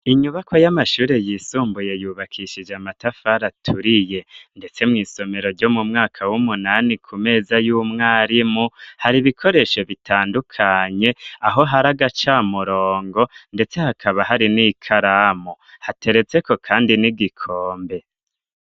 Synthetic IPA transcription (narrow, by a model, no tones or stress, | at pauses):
iɲuβakʰo̞jamaʃuːɾe̞jiːsuːmbujejuːβakʰiʃid͡ʒamatafaɾatʰuɾije̞nde̞t͡se̞mŋiːso̞me̞ɾo̞ɾɟo̞mumŋaːkʰawumunanikʰume̞ːzajuːmŋaːɾimuhaɾiβikʰo̞ɾe̞ʃo̞βitʰaːndukʰaɲe̞aɦo̞ɦaɾaɡat͡ʃamuɾo̞ːŋɡo̞nde̞t͡se̞hakʰaβahaɾinikʰaɾamohatʰe̞ɾe̞t͡se̞ko̞kʰaːndiniɡikʰoːmbe̞